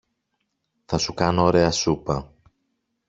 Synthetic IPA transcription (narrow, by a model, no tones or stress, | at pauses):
θɐsukɐnooɾe̞ɐsupɐ